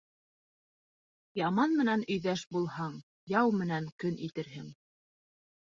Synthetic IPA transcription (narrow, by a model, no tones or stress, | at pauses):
jɑmɑnmɘ̆nænɵ̆jðæʃbulˠhɑɴ | jɑwmɘ̆næŋkɵnʔit̪ɘ̆ɾɦɘŋ